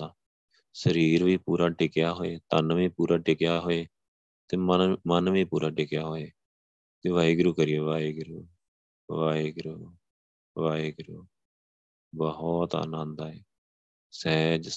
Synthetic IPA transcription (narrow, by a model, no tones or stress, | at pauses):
aː | səɾiːɾʋiːpuːɾaːʈɪkjaːɦoːeːt̪ənʋiːpuːɾaːʈɪkɪjaːɦoːeː | t̪eːmənʋiːpuːɾaːʈɪkɪjaːɦoːeː | t̪eːʋaːiːɡɾuːkəɾijoːʋaːiːɡɾuː | ʋaːeːɡɾuː | ʋaːeːɡɾuː | bɔɦɔt̪a̰ːnãːnd̪aːɛː | sɛːd͡ʒ